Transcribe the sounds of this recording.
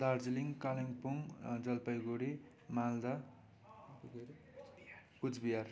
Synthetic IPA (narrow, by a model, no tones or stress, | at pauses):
d̪ard͡ziliŋkaliŋpuŋd͡zʌlpʌjɡoɽi | mald̪a | pud͡zbijar